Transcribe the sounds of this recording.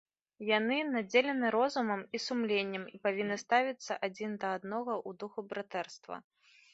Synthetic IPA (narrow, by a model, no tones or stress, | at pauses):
janɨnad͡zʲelʲɛnɨɾɔzumɐmisumlʲenʲːɐmipavʲinːɨst̪avʲit̪sːɐ̰ʔad͡zʲind̪ɐad̪nɔɣɐʔud̪uxubɾat̪ɛrst̪vɐ̰